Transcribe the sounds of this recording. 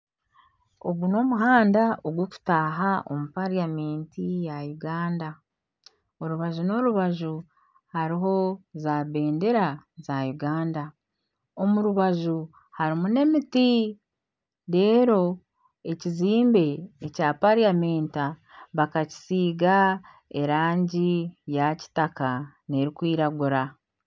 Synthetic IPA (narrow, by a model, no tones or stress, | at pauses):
oɡuno̞ːmuɦaːndaoɡwoku̥taːɦao̞̰mupaɾiame̞ːntijajuɡaːnda | o̞ɾuβaʒuno̞ɾuβaʒu | haɾiɦo̞zaːβe̞ːnde̞ɾazajuɡaːnda | o̞muɾuβaʒu | haɾimune̞miti | ɾe̞ːɾo̞ | e̞ciziːmbe̞ːcaːpaɾijame̞ːntaβakaci̥siːɡa | e̞ɾaːɲɟijaci̥taka | ne̞ɾikwiːɾaɡuɾa